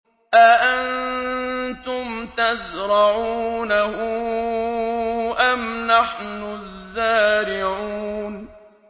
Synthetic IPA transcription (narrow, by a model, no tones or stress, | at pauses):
ʔaʔan | t̪ʊmt̪azɾˤɑʕuːnahʊ | ʔamnaħnʊzːaːɾɪʕuːn